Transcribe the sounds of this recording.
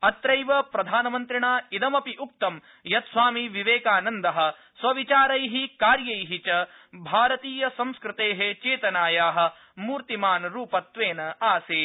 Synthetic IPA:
ɐt̪ɾɐjʋɐpɾɐd̪ʱaːnɐmɐnt̪ɾiɳaːid̪ɐmɐpiʔuk̚t̪ɐm | jɐt̪sʋaːmiʋiʋeːkaːnɐnd̪ɐɦɐ̆ | sʋɐʋit͡ʃaːɾɐjɦikaːɾjɐjɦit͡ʃɐ | bʱaːɾɐt̪iːjɐsɐ̃mskɾɪt̪eːɦet͡ʃeːt̪ɐnaːjaːɦɐ̆ | muːɾt̪imaːnɾuːpɐt̪ʋeːnɐaːseː

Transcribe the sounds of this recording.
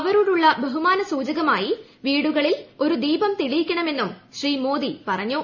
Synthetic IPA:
ɐʋɐɾuɽuɭːɐbɐɦumaːnɐsuːd͡ʑɐɣɐmaːji | ʋiːɽuɣɐɭilo̞ɾud̪iːbɐmt̪iɭijikʲːɐɳɐme̞nːumɕriːmo̞ːd̪ipɐrɐɲːo

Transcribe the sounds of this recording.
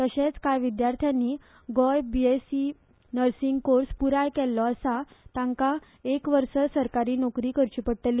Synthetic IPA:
t̪əɕẽt͡skajʋid̪jaɾt̪ʰjanːiː | ɡɔjbiesi | nəɾsiŋɡkoɾspuɾajkɛlːɔasat̪ãŋka | ekʋəɾsəsəɾkaɾiːnɔkɾiːkəɾt͡ɕipəɽʈ̪əlː

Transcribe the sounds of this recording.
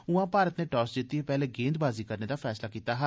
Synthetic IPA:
ʊãːpaːɾət̪neːʈɔːsd͡ʒ̪ɪt̪ːiːeːpɛːleːɡẽːnd̪baːziːkəɾneːd̪aːfʰɛːslaːkiːt̪aːɦə

